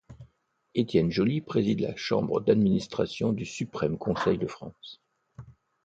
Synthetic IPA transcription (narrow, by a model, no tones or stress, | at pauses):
et̪ʲjɛnʒɔlipχezid̪la̰ʃɑ̰̃bʁəd̪ad̪minist̪χasjɔ̃d̪ysypχɛmkɔ̃sɛjd̪əfχɑ̰̃s